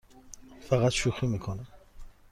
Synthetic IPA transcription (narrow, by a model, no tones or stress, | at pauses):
faʁat̪ʃuχimikʰɔnɛ